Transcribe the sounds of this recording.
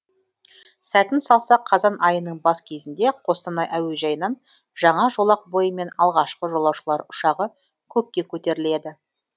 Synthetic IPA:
sæt̪ɪnsɑlˠsɑqʰːɑzɑnʔɑjənəɴbɑskʲʰe̞zɪnd̪e̞qʰo̞st̪ɑnɑjʔæwe̞ʒɑjənɑn | ʒɑɴɑʒo̞lˠɑq̚bo̞jəme̞nɑlˠʁɑʃqəʒo̞lˠɑwʃəlˠɑɾʊʃɑʁə | kʲʰɵp̚kʲːe̞kʲʰɵt̪e̞ɾɪle̞d̪ɪ

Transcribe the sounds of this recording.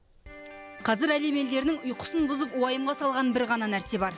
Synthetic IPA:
qʰɑzɪɾæle̞me̞ld̪e̞ɾnɪŋʊjqʰʊ̥sənbʊzəpʊɑjəmʁɑsɑlˠʁɑnbɪɾʁɑnɑnæɾse̞bɑɾ

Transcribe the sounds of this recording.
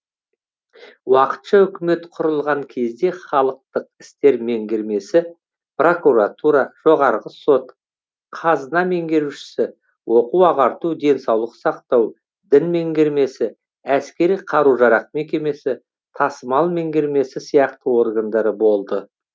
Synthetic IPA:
wɑqə̥t̪ʃɑʏkʲɪme̞t̪qʰʊɾəlˠʁɑŋkʲʰe̞zd̪e̞χɑlˠəq̚t̪əq̚ɪ̥st̪e̞ɾme̞ŋɡʲe̞ɾme̞sɪ | pro̞kuɾat̪uɾɑʒ̥o̞ʁɑɾʁəso̞t̪ | qʰɑzənɑme̞ŋɡʲe̞ɾuʃɪ̥sɪ | wʔo̞quwɑʁɑɾt̪ud̪e̞nsɑwlˠəqsɑqt̪ɑw | d̪ɪnme̞ŋɡʲe̞ɾme̞sɪ | æskʲe̞ɾijqʰɑɾuʒɑɾɑqme̞kʲe̞me̞sɪ | t̪ʰɑsəmɑlˠme̞ŋɡʲe̞ɾme̞sɪsijɑqt̪əwo̞ɾɡand̪ɑɾəbo̞lˠd̪ə

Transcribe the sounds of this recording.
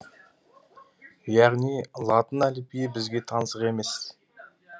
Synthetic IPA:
jɑʁnijlˠɑt̪ənælɪpijebɪzɡʲe̞t̪ʰɑnəsəqe̞me̞s

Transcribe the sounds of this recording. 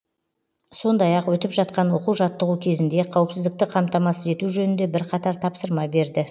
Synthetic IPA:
so̞nd̪ɑjɑqwɵt̪ɪpʒɑt̪qɑnwo̞quwʒɑt̪ːəʁukʲʰe̞zɪnd̪e̞qʰɑwəpsɪzd̪ɪk̚t̪ɪqʰɑmt̪ɑmɑsəze̞t̪uʒɵnɪnd̪e̞bɪɾqʰɑt̪ɑɾt̪ʰɑpsəɾmɑbe̞ɾd̪ɪ

